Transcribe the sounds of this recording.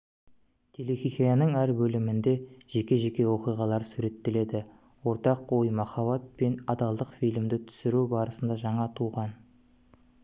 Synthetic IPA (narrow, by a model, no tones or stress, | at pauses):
t̪ʰelexʲiχijɑnəɴæɾbɵlɪmɪnd̪e̞ʒ̥e̞kʲe̞ʒe̞kʲe̞wo̞qijʁɑlˠɑɾsuɾe̞t̪ːɪle̞d̪ɪ | wo̞ɾt̪ɑqojmɑχɑβɑt̪̚pe̞nɑd̪ɑlˠd̪əqfijlɪmd̪ɪt̪ʰʏ̥sɪɾubɑɾəsənd̪ɑʒɑɴɑt̪ʰuʁɑn